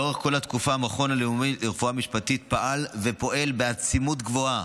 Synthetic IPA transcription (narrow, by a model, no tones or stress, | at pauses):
oʁeχko̞lat̪kufaamaχo̞naleumiʁfuamiʃpatit̪̚paʔalve̞po̞ʔe̞lbeat͡simut̪ɡvo̞a